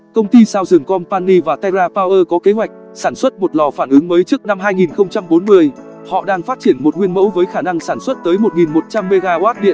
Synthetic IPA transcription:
kə˧wŋ͡mt̪i˧saː˧wzɨ˨˩ŋkɔ˧npaː˧nːi˧vaː˨˩t̪a˧zaː˧paː˧wʔəː˧kɔ˨˦ke˨˦ɦwa˨˩jk̟̚ | saː˧˩nswə˦˥t̚mo˨˩t̚lɔ˨˩faː˧˩nʔɨ˨˦ŋməː˨˦jt͡ɕɨ˦˥ək̚na˧mɦaː˧jŋi˨˩nxə˧wŋ͡mt͡ɕa˧mɓo˨˦nmɨ˧əj | hɔ̰˧˨ɗaː˧ŋfaː˦˥t̚t͡ɕi˧˩ənmo˨˩t̚ŋwi˧ənmə̰˧˥wvəː˨˦jxaː˧˩na˧ŋsaː˧˩nswə˦˥t̚t̪əː˨˦jmo˨˩t̚ŋi˨˩nmo˨˩t̚t͡ɕa˧mːe˧ɣaː˧waː˦˥t̚ɗḭ˧˨ən

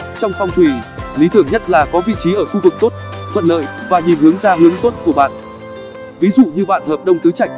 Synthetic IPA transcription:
t͡ɕɔ˧wŋ͡mfɔ˧wŋ͡mt̪ʰwi˧˩li˨˦t̪ɨ˧˩əŋɲə˦˥t̚laː˨˩kɔ˨˦vḭ˧˨t͡ɕi˨˦ʔəː˧˩xu˧vɨ˨˩k̚t̪o˦˥t̚tʰwə̰˧˨nlə̰ː˧˨jvaː˨˩ɲi˨˩mhɨ˨˦əŋzaː˧ɦɨ˨˦əŋt̪o˦˥t̚ku˧˩əɓa̰ː˧˨n | vi˨˦zṵ˧˨ɲɨ˧ɓa̰ː˧˨nhəː˨˩p̚ɗə˧wŋ͡mt̪ɨ˨˦t͡ɕa˧˩jk̟̚

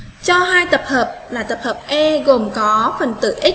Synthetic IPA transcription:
t͡ɕɔ˧ɦaː˧jt̪ə˨˩p̚həː˨˩p̚laː˨˩t̪ə˨˩p̚həː˨˩p̚ʔɛ˧ɣo˨˩mkɔ˨˦fə˨˩nt̪ɨ̰˧˨ʔi˦˥

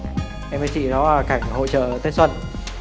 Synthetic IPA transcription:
ʔɛ˧mə˨˦t͡ɕḭ˧˨zɔ˨˦˨ka˧˩jŋ̟ho̰˧˨t͡ɕə̰ː˧˨t̪e˨˦swə˧˨n

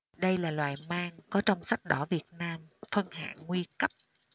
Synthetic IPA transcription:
ɗə˧jlaː˨˩lwa̰ː˨˩jmaː˧ŋkɔ˨˦t͡ɕɔ˧wŋ͡msa˦˥k̚ɗɔ˧˩vi˨˩ət̚naː˧mfə˧nha̰ː˧˨ŋːwi˧kə˦˥p̚

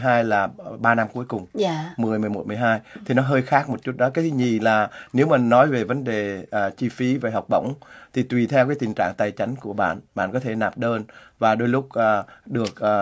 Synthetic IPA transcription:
ɦaː˧jlaː˨˩ɓaː˧na˧mku˨˦jkʊ˨˩ŋ͡mmɨ˨˩əjm˨˩əjmo˨˩m˨˩əjɦaː˧jt̪ʰi˨˩nɔ˨˦ɦəː˧jxaː˦˥k̚mo˨˩t̚t͡ɕu˦˥t̚ɗɔ˨˦kaː˨˦t̪ʰi˨˦ɲi˨˩laː˨˩ne˨˦wmaː˨˩nɔ˨˦jve˨˩və˨˦nɗe˨˩ʔːt͡ɕi˧fi˨˦ve˨˩ɦa˨˩wk͡p̚ɓə̰˧˨wŋ͡mt̪ʰi˨˩t̪wi˨˩t̪ʰɛ˧wkaː˨˦jt̪i˨˩ŋ̟t͡ɕa̰ː˧˨ŋt̪aː˨˩jt͡ɕa˨˦jŋ̟ku˧˩əɓa̰ː˧˨nɓa̰ː˧˨nkɔ˨˦t̪ʰe˧˩naː˨˩p̚ɗəː˧nvaː˨˩ɗo˧jlʊ˦˥k͡p̚ʔːɗɨ˨˩ək̚ʔː

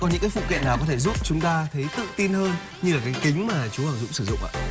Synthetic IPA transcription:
kɔ˨˩nɲɨ̰˧˥ŋkaː˨˦jfṵ˧˨kḭ˧˨naː˨˩wkɔ˨˦t̪ʰe˧˩zʊ̰˦˥p̚t͡ɕʊ˨˦ŋ͡mt̪aː˧t̪ʰə˨˦jt̪ɨ̰˧˨t̪i˧nhəː˧n | ɲɨ˧laː˨˩kaː˨˦jkï˨˦ŋ̟maː˨˩t͡ɕu˨˦aː˧˩zʊ̰˧˥˨ŋ͡msɨ˧˩zʊ̰˧˨ŋ͡mʔa̰ː˧˨

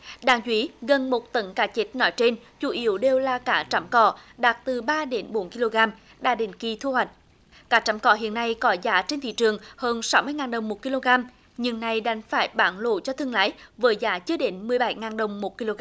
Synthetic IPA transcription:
ɗaː˨˦ŋzwi˨˦ɣə˨˩nmo˨˩t̚t̪ə˨˦ŋkaː˨˦t͡ɕi˨˦˥t̚nɔ˨˦jt͡ɕe˧nt͡ɕu˧˩˦ʔi˨˦əwɗe˨˩wlaː˨˩kaː˧˩t͡ɕa˨˦mkɔ̰˧˩ɗaː˨˩t̚t̪ɨ˨˩ɓaː˧ɗe˨˦nɓo˨˦nki˧lo˧ɣaː˧m | ɗa̰ː˧˩ɗḭ˧˩˨ŋ̟ki˨˩t̪ʰu˧hwa˨˩jk̟̚ | kaː˨˦˥t͡ɕa˨˦mkɔ˧˩ɦḭ˧˨ənːa˧jkɔ˨˦zaː˨˦t͡ɕe˧nt̪ʰḭ˧˨t͡ɕɨ˨˩əŋhəː˧nsa˨˦wmɨ˧əŋaː˨˩nɗə˨˩wŋ͡mmo˨˩t̚ki˧lo˧ɣaː˧m | ɲɨ˧˩ŋna˨˩jɗa˨˦jŋ̟faː˧˩jɓaː˧˦nlo̰˧˨t͡ɕɔ˧t̪ʰɨ˧əŋla̰ː˧˦jvəː˨˦jzaː˨˦t͡ɕɨ˧˦əɗe˨˦nmɨ˨˩əjɓa˧˩jŋaː˨˩nɗə˨˩wŋ͡mmo˨˩t̚ki˧lo˧ɣ

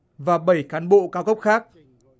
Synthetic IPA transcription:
vaː˨˩ɓə˧˩jkaː˨˦nɓo̰˧˨kaː˨˦wɣə˦˥pk͡p̚xaː˦˥k̚

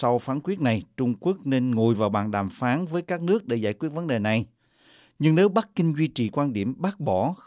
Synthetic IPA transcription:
sa˧wfaː˨˦nkwi˦˥ət̚na˨˩jt͡ɕʊ˧ŋ͡mku˦˥ək̚ne˧nŋo˨˩jvaː˨˩wɓaː˨˩nɗaː˨˩mfaː˨˦nvəː˨˦jkaː˦˥k̚nɨ˦˥ək̚ɗḛ˧˩za̰ː˧˩jkwi˦˥t̚və˨˦nɗe˨˩na˨˩j | ɲɨ˧ŋne˨˦wɓa˦˥k̚kï˧ŋ̟zwi˧t͡ɕḭ˨˩kwaː˧nɗḭ˧˩əmɓaː˦˥k̚ɓɔ˧˩

